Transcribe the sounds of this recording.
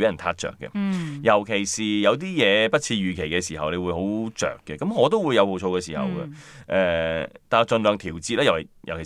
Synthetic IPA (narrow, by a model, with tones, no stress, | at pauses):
e˨˥ɐ˨˩nt̪ʰaː˧˥t̚t͡ʃœ̰ː˨kːɛ̰˧jɐ˨˩wkʰe˨˩jsiː˨jɐ˨˧wt̪̬iː˥jɛː˨˧pɐ˥t̚t͡sʰiː˧jyː˨˩kʰe˨˩jkɛː˧siː˨˩hɐ˨wne˨˧jwuː˨˧jho˨˥wt͡ʃœ̰ː˨kːɛ˧kɐ˨˥mŋɔː˨˧t̪̬o˥wu˨˧jɐ˨˧who˨wt͡sʰo˧wkɛː˧siː˨˩hɐ̰˨wɡɛ˧ʔɛː˨˧t̪aː˨˧t͡ʃə˧nlœː˨ŋt̪ʰiː˨˩wt͡siː˧t̚lɛː˥jwɐ˨˩jɐ˨˩wkʰe˨˩